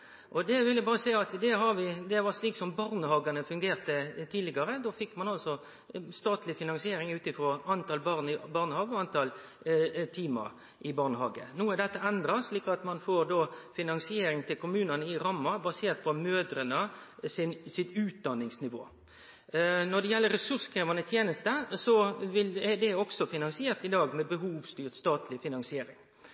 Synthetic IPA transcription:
ʔɔd̪ɛʋɪljæbɑːɾəsæɪɑt̪d̪ɛɦɑɾʋɪd̪ɛʋɑɾʂliːksɔmbɑɾnəhɑːɡɑnəfʉŋɡeːɾt̪ət̪ʰiːd̪lɪɡɑɾəd̪oːfɪkːmɑnɑlsɔ | st̪ɑːt̪ʰlɪfɪnɑnsɪeːɾɪŋʉːt̪ɪfɾɔɑnt̪ɑlbɑʁnɪbɑːɾnəhɑːɡəɔɑnt̪ʰɑl | t̪ʰiːmɑ̰ɾ | ʔɪbɑːɾnəhɑːɡə̰nuːəd̪ɛt̪ːəɛnd̪ɾɑsɭiːkɑt̪mɑnfoɾd̪ofɪnɑnsɪeːɾɪŋt̪ʰɪlkʰʊmʉːnənəɪɾɑmːɑbɑseːɾt̪̚pʰɔmøːd̪ɾənəsɪnsɪt̪ʉːt̪̚d̪ɑnːɪŋsnɪʋo̰ː | nɔɖ̪ɛjɛlːəɾɛsʉɾskʰɾeːʋɑnət̪ʰjeːnəst̪əsɔʋɪlɛd̪ɛɔksɔfɪnɑnsɪeːɾt̪ɪd̪ɑːɡmɛbəhuːʋst̪yːɾt̪st̪ɑːt̪ʰlɪfɪnɑnsɪeːɾɪ̰ŋ

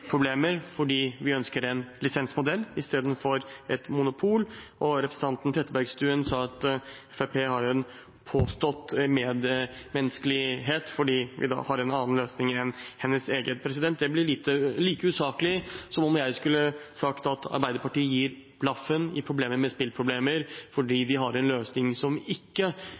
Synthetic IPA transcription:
pʰɾʊbleːməɾfɔɖiːʋɪœnskəɾɛnlɪsɛnsmʊd̪ɛlːɪst̪eːd̪n̩fɔɾɛt̪mʊnʊpʰuːlʔɔɾɛpʰɾəsən̩t̪ɑnt̪n̩t̪ʰɾɛt̪ːəbæɾɡst̪ʉːənsɑːɑt̪ɛfepʰeːhɑɾɛn | pʰoːst̪ɔt̪meːd̪mɛnəskəlɪɦeːt̪fɔɖiːʋɪ̰d̪ɑ̰ːhɑɾɛnɑːn̩løːsnɪŋɛnhɛnːəseːɡəpʰɾɛs̬ɪd̪ɛnt̪̚d̪ɛblɪɾɭiːt̪əliːkəʉːsɑːkəlɪsɔmɔmjæɪskʉlːəsɑkt̪ɑt̪ɑ̰ɾbæɪd̪əpɑʈiːəjiːɾ | b̥lɑfːənɪ̰pʰɾʊbleːməmɛspɪlpʰɾʊbleːməɾfɔɖiːd̪ɪɦɑɾɛnløːsnɪŋsɔmɪkːə

